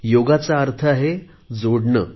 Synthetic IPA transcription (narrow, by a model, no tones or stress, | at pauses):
joɡat͡saəɾt̪ʰəaɦe | d͡zoɽɳə